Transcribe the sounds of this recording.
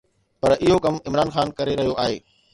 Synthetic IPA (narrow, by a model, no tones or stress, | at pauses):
pɐɾʔɪɦokɐmɪmɾaːnxaːnkɐɾeɾɐɦijoʔaːɦeː